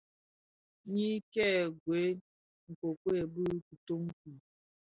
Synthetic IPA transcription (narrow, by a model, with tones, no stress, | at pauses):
ɲi˦kɛ˦˨ɡwe˨˦ | ŋ̩˨ko˨kwe˦˨bɨ˦ku˨to˦m˦ku˨